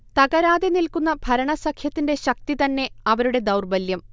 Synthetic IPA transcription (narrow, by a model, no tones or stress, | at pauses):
t̪ɐɡɐɾaːd̪enilkunːɐbʱɐɾɐɳɐsɐkʰjɐt̪ːinde̞ɕɐk̚t̪it̪ɐnːe̞ɐʋɐɾuɽe̞d̪ɐwrbɐljɐm